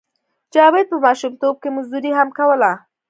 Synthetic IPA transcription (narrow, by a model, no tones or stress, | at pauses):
d͡ʒɑwed̪̚pəmɑʃumt̪ob̚kemʊzd̪uɾiɦamkawəla